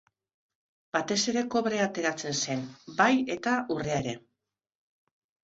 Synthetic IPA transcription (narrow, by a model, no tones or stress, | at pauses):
b̥at̪e̞se̞ɾe̞ko̞βɾe̞at̪e̞ɾat͡se̞nse̞nbaje̞t̪aʔure̞aeɾe̞